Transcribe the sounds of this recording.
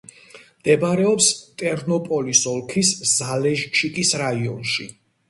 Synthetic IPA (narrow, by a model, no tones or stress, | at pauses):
md̪̥ɛbɾɛɔpst̪ʼɛɾnɔpʼɔlisɔlˠkʰisz̥alɛʒt͡ʃʰikʼisɾaiɔ̰nʃḭ